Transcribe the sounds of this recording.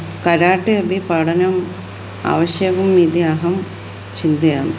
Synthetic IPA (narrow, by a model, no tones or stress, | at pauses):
kɐɾaːʈːɨɐbʱipaːɽɐnɐm | a̰ːʋɐɕjɐʋumːid̪iaːɦɐm | t͡ɕind̪ɐjaːm